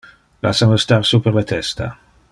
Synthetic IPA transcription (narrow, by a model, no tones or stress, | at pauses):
la̰sanost̪arsupelet̪ʰɛst̪ʰa̰